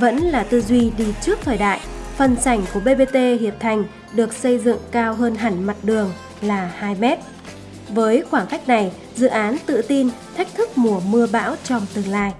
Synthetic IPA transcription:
və̰˧˥nlaː˨˩t̪ɨ˧zwi˧ɗi˧t͡ɕɨ˦˥ək̚t̪ʰəː˨˩jɗa̰ː˧˨jfə˨˩nsa˧˩jŋ̟ku˧˩əɓe˧ɓe˧t̪e˧hi˨˩əp̚t̪ʰa˨˩jŋ̟ | ɗɨ˨˩ək̚sə˧jzɨ̰˧˨ŋkaː˧wɦəː˧nɦa˧˩ŋma˨˩t̚ɗɨ˨˩əŋ | laː˨˩haː˧jmɛ˦˥t̚ | vəː˨˦jxwaː˧˩ŋxa˦˥jk̟̚na˨˩j | zɨ̰˧˨ʔaː˨˦nt̪ɨ̰˧˨t̪i˧nt̪ʰa˦˥jk̟̚t̪ʰɨ˦˥k̚mu˧˩əmɨ˧əɓa̰ː˧˥wt͡ɕɔ˧wŋ͡mt̪ɨ˨˩əŋlaː˧j

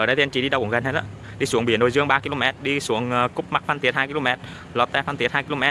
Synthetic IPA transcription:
ʔəː˧˩ɗə˧˦jt̪i˨˧nt͡ɕḭ˧˩ɗi˧ə˧wɣa˨˩nhe˦˥tɗa̰ː˧˦ | ɗi˧su˧˩əŋɓi˧˩ənɗo˨jzɨ˧əŋɓaː˧ki˧lo˧mɛ˦˥t̚ɗi˧su˧˩əŋː˨kʊ˦˥p̚ma˦˥k̚fa˧nt̪i˨˦ət̚haː˧jki˧lo˧mɛ˦˥t̚ | lɔ˨˩t̪ɛ˧˩fa˧nt̪i˨˩ət̚haː˧jki˧lo˧mɛ˦˥t̚

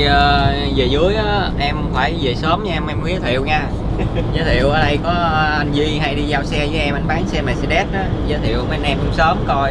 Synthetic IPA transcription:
ʔəː˨˧˩ze˨˩zɨ˨˦əjʔaː˨˦ʔɛ˧mfaː˧˩jze˨˩səː˨˦mɲː˧mʔɛ˧mki˨˦ət̪ʰḭ˧˨əwɲaː˧ | zəː˨˦t̪ʰḭ˧˨əwʔəː˧˩ɗə˧jkɔ˨˦ʔa˧jŋ̟zi˧ɦa˧jɗi˧zaː˧wsɛ˧zəː˨˦jʔɛ˧mʔa˧jŋ̟ɓaː˨˦nsɛ˧maː˨˩si˧ɗɛ˦˥t̚ʔaː˨˦zəː˨˦t̪ʰḭ˧˨əwmə˨˦˧nʔɛ˧mkʊ˨˦ŋ͡msəː˨˦mkɔ˧j

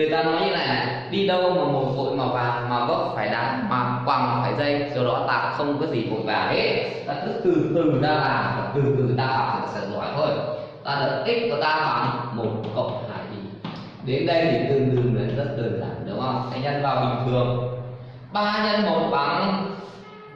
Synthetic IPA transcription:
ɨ˨˩əjt̪aː˧nɔ˨˦jɲɨ˧laː˨˩ | ɗi˧ɗə˧wʔmaː˨˩mo˨˩t̚vo̰˧˨jmaː˨˩vaː˨˩maː˨˩kɔ˨˦faː˧˩jɗaː˨˦maː˨˩kwaː˨˩ŋmaː˨˩faː˧˩jzə˧jsə˧wɗɔ˨˦t̪a̰ː˧˨ʔxə˧wŋ͡mkɔː˨˦jzi˨˩fo̰˧˨jvaː˨˩he˦˥t̚ | laː˨˩t̪ɨ˦˥k̚t̪ɨ˨˩t̪ɨ˨˩ŋzaː˧laː˨˩mvaː˨˩t̪ɨ˨˩t̪ɨ˨˩ɗaː˧˩fʰa˨˩a˨˩sɛ̰˧˥tzaː˧˩jt̪ʰo˧j | t̪aː˧˩t̪ʰə˨˩t̚ʔ̪ï˦˥k̚kɔ˨˦t̪aː˧faː˨˩ŋmo˨˩t̚kkə̰˧˨wŋ͡mha̰ː˧˨jzi˨˩ | ɗe˨˦nɗə˧jt̪ʰi˨˩t̪ɨ˨˩ŋɗ̪ɨ˨˩ŋlə˨˩zə˦˥t̚ɗɨ˨˩ŋza̰ː˨˩nɗɨ̰˨˦wʔa˧˩sɛ̰˧˥ɲə˧jnvaː˨˩wɓḭ˨˩ŋ̟t̪ʰɨ˨˩əŋ | ɓaː˧ɲə˧nmə˨˩t̚ɓa˨˩ŋ

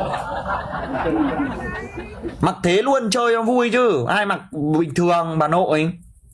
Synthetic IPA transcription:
ma˨˩k̚t̪ʰe˨˦lu˧ənt͡ɕəː˧jɔ˨˦vu˧jt͡ɕɨ˧ʔaː˧jma˨˩k̚ɓï˨˩ŋ̟t̪ʰɨ˨˩əŋɓaː˨˩no̰˧˨ə˨˦j

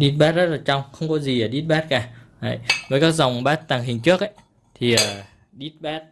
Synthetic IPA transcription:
ɗi˦˥t̚ɓaː˦˥t̚zə˦˥t̚laː˨˩t͡ɕa˧wŋ͡mxə˧wŋ͡mkɔ˨˦zi˨˩aː˨˩ɗi˦˥t̚ɓaː˦˥t̚kaː˧˩ha̰˧˨˩jvəː˨˩jkaː˦˥k̚za˨˩wŋ͡mɓaː˦˥t̚t̪a˨˩ŋɦï˨˩ŋ̟t͡ɕɨ˦˥ək̚ʔa˧˦j | t̪ʰi˨˩əː˨˩ | ɗi˦˥t̚ɓaː˦˥t̚

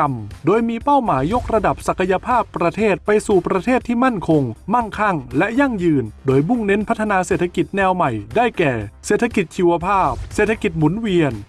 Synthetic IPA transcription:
mdoː˧jmiː˧pa˥˩wmaː˩˦jːo˦˥k̚ɾa˧da˨˩p̚sa˨˩kʰːa˧ja˧pʰaː˥˩pːɾa˧t̪ʰeː˥˩t̪̚pa˧jsuː˨˩pɾa˧t̪ʰeː˥˩t̪ʰːiː˥˩ma˥˩nkʰo˧ŋma˥˩ŋkʰa˥˩ŋlɛ˦˥ʔja˥˩ŋjɯː˧ndoː˧jbu˥˩ŋne˧˦˥npʰa˦˥t̪ʰːa˧naː˧se˨˩t̪ʰːa˧ki˨˩t̪̚nɛː˧wma˨˩jdaː˥˩jkɛː˨˩seː˨˩t̪ʰːa˧ki˨˩t̪̚t͡ɕʰiː˧wa˧pʰaː˥˩p̚seː˨˩t̪ʰːa˧ki˨˩t̪̚mu˩˦nwi˧ən

